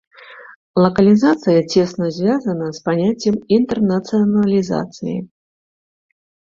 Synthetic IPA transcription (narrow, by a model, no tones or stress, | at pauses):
lˠɐkɐlʲizat̪sɨjɐt͡sʲɛsnɐzʲvʲazɐnɐspanʲat͡sʲːɛmint̪ɛrnɐt̪sɨɐnɐlʲiza̰t̪sɨjḭ